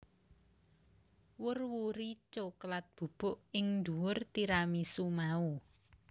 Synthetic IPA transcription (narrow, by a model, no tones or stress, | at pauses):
wʊrwuɾit͡ʃoklat̪̚b̥ṳb̥ʊ̤ʔɪŋnd̪uwʊrt̪iɾamisumau